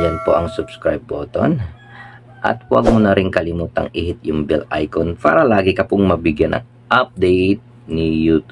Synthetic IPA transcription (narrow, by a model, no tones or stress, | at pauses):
jɐnpoʔɐŋsʊb̥skɹajbːoːt̪o̰n | ʔɐ̰t̪̚wa̰ɡ̚mʊnɐɾɪŋkɐlɪmuːt̪ɐ̰ŋɪhɪt̪̚jʊŋbɛlʔa̰jkonpa̰ːɾɐlaːɡɪkɐpʊŋmɐbɪɡjɐnʔɐ̰ŋ | ʔap̚d̪ɛjt̪̚ | nɪjuːt̪